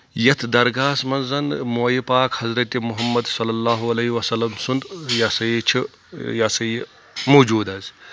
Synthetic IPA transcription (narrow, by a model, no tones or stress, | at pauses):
jɐt̪ʰd̪ɐɾɡaːsmɐnzɐnmojipaːkhɐzɾɐt̪imuɦɐmːɐd̪sɐlːɐlːaːɦuɐlɐːɦiʋɐsɐlːɐmsund̪jasɐjit͡ʃʰi | jasɐji | moːd͡ʒuːd̪ɐz